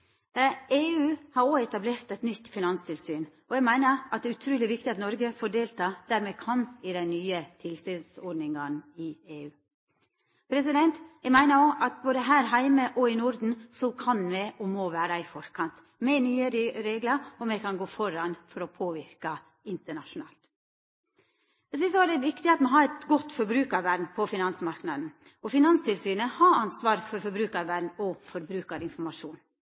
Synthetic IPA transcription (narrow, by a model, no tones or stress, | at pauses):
eːʉːhɑɾoːɛt̪ɑbleːɾt̪ɛɪt̪nʏt̪ːfɪnɑnst̪ʰɪlsyːn | ɔjɛɡmæɪnəɾʔɑt̪̚d̪ɛæːʉt̪ʰɾʉːlɪʋɪkt̪ɪɑt̪nɔɾɡəfɔɖeːlt̪ʰɑːd̪̥æɾmɛkʰɑnɪd̪ɛɪnyːət̪ʰɪlsyːd̪sɔɖnɪŋɑnɪeːʉː | pʰɾɛsɪd̪ɛnt̪jæɡmæɪnəɾoːʔɑt̪̚boːd̪əɦæːɾɦæɪməʔɔɪnʊɾd̪n̩sɔkʰɑnʋɛʔɔmɔʋæːɾɑɪfɔɾkʰɑnt̪ | mɛnyːəɾɪɾeːɡlɑɔmɛkɑnɡoːfɔɾɑnfɔɾɔpʰoːʋɪɾkɑ | ɪnt̪əɳɑʂʊnɑ̰ːlt̪ | ɛs̬ɪs̬ɔæɾd̪ɛʋɪkt̪ɪɑt̪mɛɦɑɾɛt̪ɡɔt̪ːfɔɾbɾʉːkɑɾʋæɖ̪n̩pʰɔfɪnɑnsmɑɾknɑd̪n̩ | ɔfɪnɑnst̪ɪlsyːnəhɑɑnsʋɑːɾfɔɾfɔɾbɾʉːkɑɾʋæɖn̩ɔfɔɾbɾʉːkɑɾɪnfɔɾmɑʂuːn